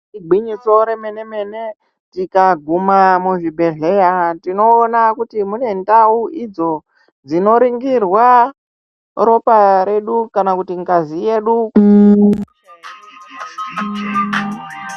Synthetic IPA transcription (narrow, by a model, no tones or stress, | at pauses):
iɡ͡bʱwiɲiso̞ɾe̞me̞ne̞me̞ne | tikaɡʱumamuʐibʱe̞ɮe̞jatino̞ːnakutimune̞ndauid͡zo̞ | d͡zino̞ɾiŋɡirwa | ro̞paɾe̞ɗukanakutiŋɡazije̞ɗuk